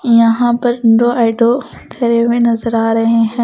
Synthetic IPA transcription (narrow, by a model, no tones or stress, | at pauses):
jɐɦãpɐɾdoːʔaːɪɖo | t̪ʰɐɾeʋẽnɐzəɾaːɾɐɦeɦɛ̃ː